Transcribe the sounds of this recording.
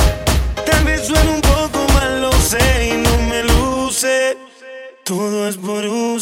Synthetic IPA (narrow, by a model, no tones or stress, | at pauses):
t̪ambenswenũmpokomaloseinõŋmeluse | t̪oðoesβoɾu